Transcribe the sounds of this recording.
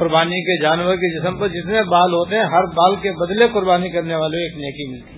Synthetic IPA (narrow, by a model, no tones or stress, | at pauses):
ʊɾbaːniked͡ʒaːnwəɾked͡ʒɪsəmpɐɾd͡ʒɪt̪nebaːlɦoːt̪eɦɛ̃ɦɐɾbaːlkebɐd̪lekʊɾbaːnikɐɾneʋaːleoeːkneːkimɪlt̪i